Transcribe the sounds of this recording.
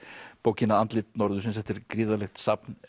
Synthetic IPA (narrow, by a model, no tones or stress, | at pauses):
poːwcɪnaant̪lɪt̪nɔɾðʏs̬ɪnsɛft̪ɪɾkɾiːðalɛxt̪sapn